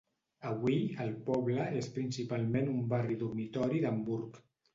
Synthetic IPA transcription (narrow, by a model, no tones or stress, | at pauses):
əβwiəlˠpɔβləespɾinsipalˠmenumbariðurmit̪ɔɾiðəmbuɾk